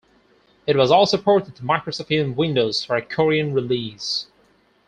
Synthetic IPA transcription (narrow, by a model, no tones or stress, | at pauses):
ɨt̚wʌzɔlˠsʊpʰɔɹɾɨd̚tʰəmaɪkɹəsɔfiɨ̃nwɪ̃ndoʊz̥fə˞ɨkʰɔɹiɨ̃nɹɪlis